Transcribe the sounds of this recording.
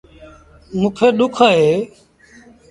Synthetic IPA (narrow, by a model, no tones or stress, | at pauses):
mũːkʰeːɗ̪ʊkʰaːɦeː